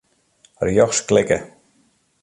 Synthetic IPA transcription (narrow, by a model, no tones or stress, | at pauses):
rjɔxsklɪkə